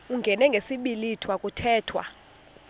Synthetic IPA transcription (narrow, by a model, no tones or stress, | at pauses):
uŋɡʱɛnɛŋɡʱesiɓilitʰwakʼutʰɛːtʰwa̰